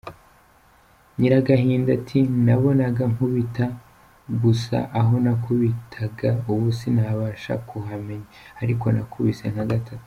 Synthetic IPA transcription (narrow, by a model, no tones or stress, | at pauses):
ɲiɾaɡaɦiːndatʰinaβo̞naɡaŋhuβita | ɡusa̰ʔaɦo̞nakuβitʰaɡauβusinaβaːʃa̰kʰuɦame̞ɲaaɾiko̞na̰kʰuβisen̥aɡatatu̥